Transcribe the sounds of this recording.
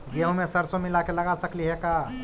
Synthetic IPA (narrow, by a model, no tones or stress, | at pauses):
ɡeɦũmesəɾsomilakeləɡasəkliɦɛka